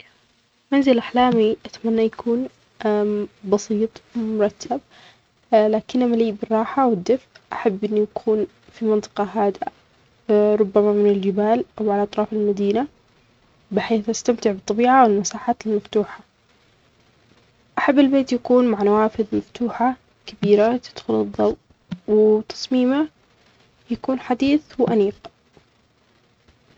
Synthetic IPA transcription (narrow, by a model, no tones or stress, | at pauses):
manzɪlʔaħlaːmiʔat̪manːajakʰuːn | bɑsiːt̪ˤmʊɾˤɑt̪ʰːab | laːkɪnʔamaliːbɪrˤːɑːħawɪd̪ːɪfʔʔaħabːʔɪnːijakʰuːn | fimɪnt̪ˤɨ̥qɑɦaːd̪a | ɾˤʊbːamamɪnɪld͡ʒɪbaːlʔawʕalaʔɑt̪ˤɾˤɑːfɪlmad̪iːna | bɪħeːθʔast̪amt̪ɪʕbɨt̪ˤːɑbiːʕawɪlmasaːħaːt̪ɪlmaft̪uːħa | ʔaħabːɪlbeːt̪jakuːnmaʕnawaːfɪðmaft̪uːħa | kabiːɾat̪ɪ̥d̪̥xʊlɨðˤːɑwt̪ | wɪt̪ʰɑ̥sˤmiːma | jakuːnħad̪iːθwʔaniːq